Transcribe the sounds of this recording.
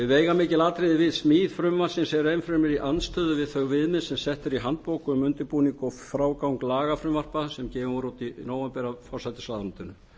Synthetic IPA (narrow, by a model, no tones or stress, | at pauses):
ɪveːjɣamɪːcɪlaːt̪ɾeðɪvɪðsmiːðfɾʏmvan̥sɪnsɛɾejmfɾʏmɪɾiʔanst̪ʰœːðʏvɪðθœɣvɪðmɪðsɛmsɛht̪ɪɾiɦant̪̚powkʏʏmːʏnt̪ɪpuːniŋkɔfɾaːwkawŋklaːɣafɾʏmvar̥pasɛmcɛːvɪuɾut̪inoːwapɛɾafɔr̥sajt̪ɪ̥slaːðanunt̪ɪnːʏ